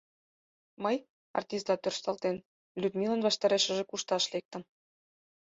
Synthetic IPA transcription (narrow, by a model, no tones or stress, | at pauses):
məj | ɑ̰rt̪ʲist̪ɑt̪ørʃt̪ɑlt̪en | lʲyd̪mʲilənβɑʃt̪ɑɾeʃə̆ʒĕkuʃt̪ɑʃlek̚t̪ə̆m